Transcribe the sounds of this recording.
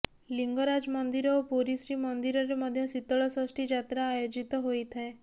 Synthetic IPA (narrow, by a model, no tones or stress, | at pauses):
liŋɡɔɾad͡ʒmɔnd̪iɾɔopoɾisɾimɔnd̪iɾɔɾemɔd̪ʱjɔsit̪ɔɭɔsɔsʈʰid͡ʒat̪ɾaːjod͡ʒit̪ɔɦojt̪ʰae